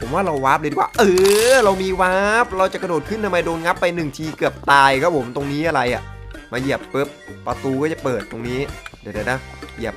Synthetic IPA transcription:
pʰo˩˦mwaː˥˩ɾa˧wwaː˦˥p̚le˧t̪ʰiː˨˩waː˥˩ʔɤː˧ɾa˧wmiː˧waː˦˥p̚ɾa˧wt͡ɕa˨˩kɾdnoː˨˩t̪̚kʰɯ˥˩nt̪a˧mːa˧jdoː˧nŋa˦˥pːa˧jnɯ˨˩ŋt͡ɕʰiː˧kɯ˨˩əp̚t̪aː˧jkʰɔː˥˩pʰo˩˦mt̪o˧ŋniː˦˥ʔa˧ɾa˧jʔa˨˩ʔmaː˧ji˨˩əp̚pɯ˦˥p̚pːɾa˧t̪uː˧kɔː˥˩t͡ɕa˨˩pɤː˨˩t̪ːo˧ŋniː˦˥˨da˨˩na˦˥ | ji˨˩əp̚

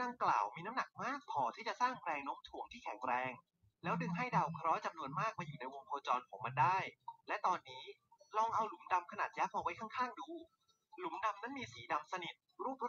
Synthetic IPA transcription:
da˧ŋkla̰ː˨˩wmiː˧na˦˥mna˨˩k̚maː˥˩k̚pʰɔː˨˩˦t̪ʰiː˥˩t͡ɕa˨˩saː˥˩ŋpɾɛː˧ŋno˦˥mt̪ʰu˨˩əŋt̪ʰiː˥˩kʰɛ˨˩˦ŋɾɛː˧ŋ | lɛː˦˥wdɯ˧ŋɦa˥˩jdaː˧wkʰɾɔː˦˥t͡ɕa˧mnu˧ənmaː˥˩k̚ma˧juː˨˩na˧jwo˧ŋpʰɔː˧t͡ɕɔː˧nkʰɔ̰ː˩˦ŋma˧ndaː˥˩jlɛ˦˥t̪ɔː˧nːiː˦˥lɔ˧ŋʔa˧wlu˩˦mda˧mkʰa˧naː˨˩t̪̚jaː˦˥pʰɔː˧wa˦˥jkʰa˥˩ŋkʰaː˥˩ŋduː˧ | lu˩˦mda˧mna˦˥nmiː˧siː˩˦da˧msa˧ni˨˩t̪̚ɾuː˥˩p̚

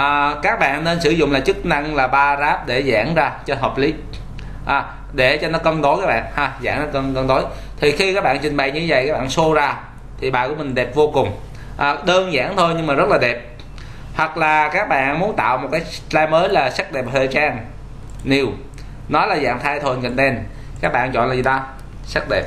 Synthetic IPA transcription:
ʔːkaː˦˥k̚ɓa̰ː˧˨nːe˧nsɨ˧˩zʊ̰˧˨ŋ͡mlaː˨˩t͡ɕɨ˦˥k̚na˧ŋlaː˨˩ɓaː˧zaː˦˥p̚ɗe˧˩za̰ː˧˩ŋzaː˧t͡ɕɔ˧ɦəː˨˩p̚li˨˦ | ʔaː˨˩ | ɗe˧˩t͡ɕɔ˧nɔ˨˦kə˧nɗ̪o˨˦jkaː˦˥k̚ɓa̰ː˧˨nhaː˧˩za̰ː˧˩ŋnɔ˨˦kə˧nkə˧nɗ̪o˨˦j | t̪ʰi˨˩xi˧kaː˦˥k̚ɓa̰ː˧˨t͡ɕï˨˩ŋ̟ɓə̰˨˩jɲɨ˧˦və˨˩jkaː˦˥ɓa̰ː˧˨so˧zaː˧ | t̪ʰi˨˩ɓaː˨˩ku˧˩əmï˨˩ŋ̟ɗɛ˨˩p̚vo˧kʊ˨˩ŋ͡m | ʔa˨˩ɗəː˧nza̰ː˧˥ŋt̪ʰo˧jɲɨ˧ŋmaː˨˩zə˦˥t̚laː˨˩ɗɛ˨˩p̚ | hwa˨˩k̚laː˨˩kaː˦˥k̚ɓa̰ː˧˨nmu˨˦ənt̪a̰ː˧˨wmo˨˩t̚kaː˨˦jlaː˧jməː˨˦jlaː˨˩sa˦˥k̚ɗɛ˨˩p̚həː˧˨˩t͡ɕaː˧n | ni˨˩w | nɔ˨˦jlaː˨˩za̰ː˧˨ŋt̪ʰaː˧jt̪ʰo˧˩˨ŋkə̰˧˨ŋ̟ɗɛ˧n | kaː˦˥k̚ɓa̰ː˧˨nt͡ɕwɔ̰˧˨nlaː˨˩zi˨˩a˧˩ | sa˦˥k̚ɗɛ˨˩p̚

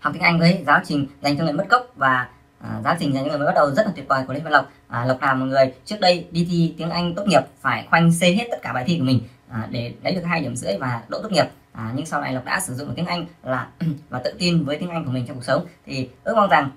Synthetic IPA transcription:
ha˨˩t̪i˨˦ŋʔa˧jŋ̟və˨˦jzaː˨˦wt͡ɕï˨˩ŋ̟za˨˩ŋʰ˧ŋ˨˩m˦˥t̚kə˦˥wk͡p̚vaː˨˩˨ | zaː˨˦wt͡ɕi˨˩za˨˩ɲ̰ː˨˧ŋː˨˩˨ɓ̚ɗə˨˩wzə˦˥t̚laː˨˩wt̚ɓɔː˨˩jku˧˩˨ḭ˧˦a˧˨lə˨˩wk͡p̚ːlə˨˩wk͡p̚naː˨˩mɔ̰˨˩ŋɨ˨˩əjt͡ɕɨ˦˥ək̚ɗə˧jɗi˧t̪ʰi˧t̪i˨˦əŋʔa˧ŋ̟t̪o˦˥ŋi˨˩əp̚faː˧˩jxwa˧jŋ̟se˧ɦe˦˥t̚t̪ə˦˥t̚kaː˧ɓaː˨jt̪ʰi˧ku˧˩əmï˨˩ŋ̟˨˩ | ɗe˧˩lə˨˦jɨ˨˩ək̚haː˧jɗi˧˩əmzɨ̰˧˥əjvaː˨˩ɗo̰˧˨t̪o˦˥ŋi˨˩p̚ | ʔɲɨ˧ŋsa˧wla̰˧˩lk͡p̚ɗa̰ː˧˥sɨ˧˩zʊ̰˨˧˨ŋ͡mt̪i˨˦əŋʔa˧ŋlaː˨˩vaː˨˩t̪ɨ̰˧˨t̪i˧nvəː˨˦jt̪i˨˦əŋʔŋ̟ku˧˩əmi˨˩ŋt͡ɕɔ˧ŋ͡mk̚sə˨˦wŋ͡mt̪ʰi˨˩ʔɨ˦˥ək̚ma˧wŋ͡mza˨˩ŋ

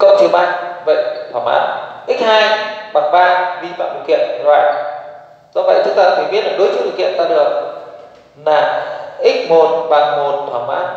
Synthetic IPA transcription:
kə˧ŋ͡mt͡ɕi˨˩əwmʔa˧˩ŋvə̰˧˨jʔt̪ʰwaː˧˩mʔa̰ː˧˥ʔi˦˥k̟̚haː˧jɓa˨˩ŋɓaː˧jvi˧fa̰ː˧˨mɓ̰kḭ˧˨ən˨lwaː˨˩ | zɔ̰˧˥və̰˧˨jt̪ʰɨ˨˦ŋt̪aː˧a̰˧˥˩faː˨˧˩ɓi˦˥ət̚laː˨˩ɗɨ˨˦t͡ɕɨ˧˦˥sʰɨ˨˩ki˧˨ə˨nt̪aː˧ɨ˧˩ə˨˩ | laː˨˩ʔi˦˥k̟̚mo˨˩nɓaː˨˩ŋmo˨˩nt̪ʰwaː˧˩ma̰ː˧˥n

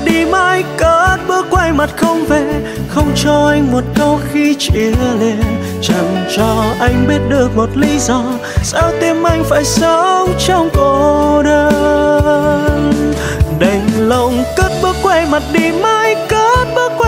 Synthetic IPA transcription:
ɗi˧˩ma˧jkə˨˦t̚ɓɨ˦˥ək̚ːwa˧jma˨˩t̚xə˧wŋ͡mve˧˦ | xə˧wŋ͡mt͡ɕɔ˧ʔa˧jŋ̟mo˨˩t̚kə˧wxi˧t͡ɕi˧˨əəle˧n | t͡ɕa˨˩ŋt͡ɕɔ˧ʔa˧jŋ̟ɓi˦˥ət̚ɗɨ˨˩ək̚mo˨˩t̚li˧˦zɔ˧ | saː˧wt̪i˧mʔa˧jŋ̟fa̰ː˧˩jsə˧˦wt͡ɕɔ˧wŋ͡mko˨ɗə˧ | n | ɗə˨˩jŋ̟lə˧˨wŋ͡mkə˦˥t̚ɓɨ˦˥ək̚ːwa˧jma˨˩t̚ɗi˧˩ma˧jkə˧˦˥t̚ɓɨ˦˥ək̚ːw

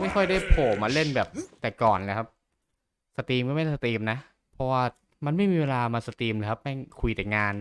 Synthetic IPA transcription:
ma˥˩jkʰɔ˥˩jdaː˥˩jpʰoː˨˩maː˧le˥˩nbɛː˨˩p̚t̪ɛː˨˩kɔː˨˩nlɛː˧˩kʰa˦˥p̚ | sa˧t̪iː˧mkɔ˥˩ma˥˩sa˧t̪iː˧mna˦˥ʔ | pʰɔ˦˧˥waː˥˩ | ma˧nma˥˩jmiː˧weː˧laː˧maː˧sa˧t̪iː˧mle˧jkʰa˦˥p̚mɛ˥˩kʰu˧jt̪ɛː˨˩ŋaː˧n

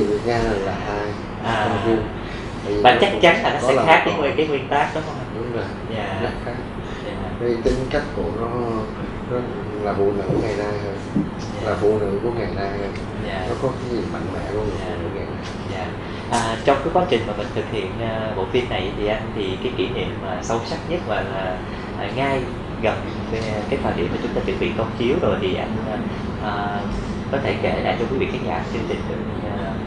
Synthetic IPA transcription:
vi˨˩ək̚ɲaː˧˨˩laː˨˩haː˧j | ʔaː˨˩˧ɲ˧ | t̪aː˧˨˩vi˨vaː˨˩˨t͡ɕa˦˥k̚t͡ɕa˨˦nt̪aː˨˩nɔ˨˦ɛ̰˧˦˨xaː˦˥k̚ɲə̰˧˨˦wi˨˩kaː˨˦ŋwḭ˨˩ənt̪aː˦˥k̚ɗɔ˨˦˨ɗʊ˨˦ŋ͡mzə˨˩ | ɲaː˧˩za˦˥t̚xaː˦˥k̚ | ɲaː˧˨ | a˨˧˦i˨˩t̪ï˧˦ŋka˦˥jk̟̚ku˧˩ənɔ˨˦ | nɔ˨˦ | laː˨˩vṵ˧˨nɨ̰˧˥ŋa˨˩jnaː˧jhəː˧n | aː˨laː˨˩vṵ˧˨nɨ̰˧˥ku˧˩əŋa˨˩jnaː˧jhə˧n | ɲa̰ː˨˧˩nɔ˨˦kɔ˨˦kaː˨˦ɲi˨˩əma̰˧˨ŋmɛ̰˧˥ku˧˩əŋ˨aː˨kṵ˧˩əŋa˨˩jna˧˩jzaː˧˨ | ʔəː˨˩t͡ɕɔ˧wŋ͡mkaː˨˦kwaː˨˦t͡ɕï˨˩ŋ̟maː˨˩mï˨˩ŋ̟t̪ʰɨ˨˩k̚hḭ˧˨ənʔəː˨˩ɓo̰˧˨fi˧ənːa˨˩jt̪ʰi˨˩ʔa˧jnt̪ʰi˨˩kaː˨˦jki˧˩nḭ˧˨əmːaː˨˩sə˧wsa˦˥k̚ɲə˦˥t̚maː˨˩laː˨˩ | ʔə˨˩ŋa˧j | ɣə˨˩n | ve˨˩kaː˨˦jt̪waː˨˩ɗḭ˧˨ma˨˩t͡ɕʊ˨˦ŋ͡mt̪aː˧t͡ɕɨ˨˩ɓḭ˧˨kə˧wŋ͡mt͡ɕi˨˦əwzo˨˩jt̪ʰi˨˩ʔa˧jnə˨˩ | ʔəː˨˩ | kɔ˨˦t̪ʰe˧˩ke˧˩la̰ː˧˨jt͡ɕɔ˧kwi˨˦vḭ˧˨˩a˨˦ŋza̰ː˧˩kt͡ɕɨ˧əŋt͡ɕï˨˩ŋ̟t̪ɨ̰˨˧˩

